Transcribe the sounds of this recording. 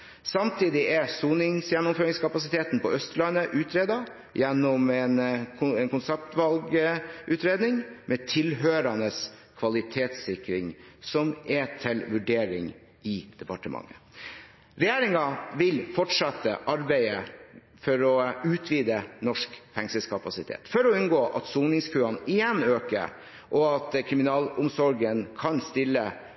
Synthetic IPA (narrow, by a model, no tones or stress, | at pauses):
sɑmt̪ʰiːd̪ɪʔɛsuːnɪŋsjɛnːʊmføːɾɪŋskʰɑpɑsɪt̪ʰeːt̪n̩pɔœst̪lɑnəʔʉːt̪ʰɾeːd̪ɑ | jɛnːɔmɛnɛnkʊnsɛp̚t̪ʋɑlɡəʔʉːt̪ɾeːd̪nɪŋmʔɛt̪ʰɪlɦøːɾɑnəskʰʋɑlɪt̪ʰeːt̪sɪkɾɪŋsɔmɛt̪ʰɪlʋʉɖeːɾɪ̰ŋ | ɪd̪̥ɛpɑʈəmʔɑ̰ŋːə̰ | ɾɛjeːɾɪŋɑʋɪlfɔʈʂɑt̪ːə̰ʔɑɾbæɪə | fɔɾɔʉːt̪ʰʋiːd̪ənɔʂkfɛŋsəskʰɑpɑsɪt̪ʰḛːt̪fɔɾɔʉnɡoːʔɑ̰t̪suːnɪŋskʰʉːɑnɪjɛnːøːkə̰ | ʔɔɑt̪kʰɾɪmɪnɑːlʊmsɔɾɡənkʰɑnst̪ɪlːə